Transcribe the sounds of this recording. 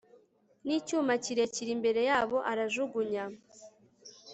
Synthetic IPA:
niːcuːmaciɾeciɾimbe̞ɾe̞jaːβo̞ʔaɾaʒuɡuɲa

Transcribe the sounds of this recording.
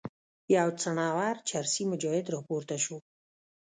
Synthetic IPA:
jawt͡saɳɑwaɾt͡ʃʰaɾsimʊd͡ʒɑhɪd̪ɾɑpoɾt̪aʃu

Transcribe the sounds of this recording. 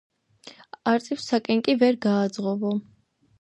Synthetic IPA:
aɾt̪ʼifsakʼɛŋkʼivɛɾɡaːd̪zʁɔvɔ

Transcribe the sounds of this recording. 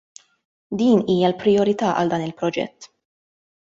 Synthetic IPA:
d̪iːniːjɐlpɾɪjɔɾɪt̪ɐːʔɐ̰ld̪ɐːnɪlpɾɔd͡ʒɛ̰t̪ː

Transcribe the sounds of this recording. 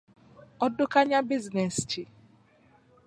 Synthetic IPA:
ɔdʊkaɲabiznest͡ʃi

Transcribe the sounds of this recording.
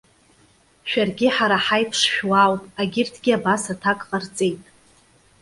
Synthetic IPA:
ʃᶣarɡʲɪħaɾaħajpʰʂʃᶣwawtʼaɡʲɪrtʰɡʲɪabasatʰakʼqʼart͡sʼe̞jtʼ

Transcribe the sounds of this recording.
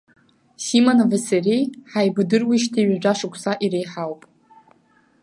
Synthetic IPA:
simonavɨserejħajbɨdɨrwiʃtʰiɥad͡ʒʷaʂɨkʷʰsaʔiɾejħawpʼ

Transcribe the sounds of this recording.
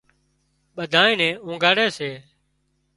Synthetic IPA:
ɓəd̪ʱaːẽːnɛ̃ːũːɡaːɽeːseː

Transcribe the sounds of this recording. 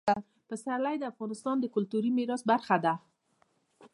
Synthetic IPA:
pəsaɾlajd̪əafɣɑnɪst̪ɑnd̪əkʊlt̪uɾimɪɾɑsbaɾxad̪a

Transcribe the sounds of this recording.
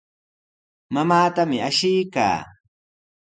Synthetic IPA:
mamaːt̪amɪaʃɪjka̰ː

